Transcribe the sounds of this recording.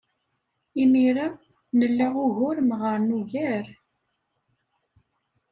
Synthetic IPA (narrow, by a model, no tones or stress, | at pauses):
imiɾa | nəlːaʁʊʝʊɾmʁəɾˤnuʝæɾ